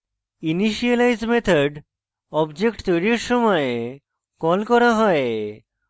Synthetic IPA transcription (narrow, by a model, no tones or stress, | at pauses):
iniʃialajd͡ʑmet̪ʰaɖ | ɔbd͡ʑekʈt̪ojɾieɾʃɔmɔe | kɔlkɔɾaɦɔe